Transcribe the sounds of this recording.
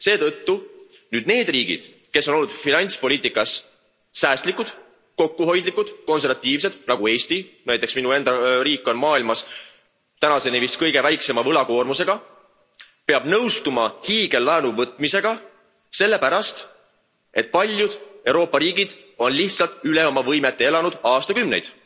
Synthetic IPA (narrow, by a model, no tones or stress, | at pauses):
se̞ːt̪ɤt̪ːu | nyːd̪̥̚ne̞ːd̪riːɡḭd̪̥ | ke̞sːo̞no̞lːud̪̥finɑnʲt̪spo̞lʲiːt̪ːˑikːˑɑsː | æːst̪likud̪̥ | ko̞kːuɦo̞jd̪likːˑud̪̥ko̞ns̬e̞rvɑt̪ʲːˑiːv̥se̞d̪̥nɑɡ̥ue̞ːst̪inæjt̪ːˑe̞ksminue̞nd̪ɑɾiːkːˑo̞nmɑːilmɑs | t̪ænɑse̞nivist̪̚kɤjɡe̞væjkse̞mɑvɤlɑko̞ːrmuse̞ɡ̥ɑ | pe̞ɑb̥nɤwst̪umɑhiːɡ̥e̞lːɑenuvɤt̪ˑmise̞ɡ̥ɑ | se̞lːe̞pæɾɑst̪ | e̞t̪̚pɑlʲjud̪̥e̞wɾo̞ːpːˑɑɾiːɡid̪̥ | o̞nliht̪sɑlt̪ˑyleo̞mɑvɤjmet̪ˑːe̞e̞lɑnud̪̥ɑːst̪ɑkymnejd̪̥